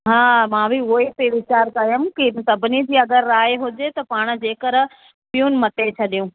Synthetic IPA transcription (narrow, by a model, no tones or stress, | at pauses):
ɦãːmãːbʱiʊɦipeʋɪt͡ɕaːɾkɐjɐmkɪsɐbʱɪnid͡ʑiːɐɡəɾːaːeɦʊd͡ʑet̪ɐpaːɽ̃̆d͡ʑeːkəɾ | ɓijũnɪ̆mɐʈ̪et͡ɕʰɐɗijũː